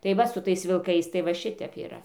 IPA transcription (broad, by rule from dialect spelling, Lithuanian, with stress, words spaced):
tɐɪ ˈʋɐ sʊ ˈtɐɪs ʋʲɪlˠˈkɐɪs tɐɪ ʋɐ ˈʃʲɪtʲɛp iːˈrɐ